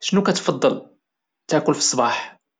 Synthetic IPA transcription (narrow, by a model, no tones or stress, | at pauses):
ʃənukæt̪fɑd̪ˤːəl | t̪aʕkʊlfi̥sˤːbɑħ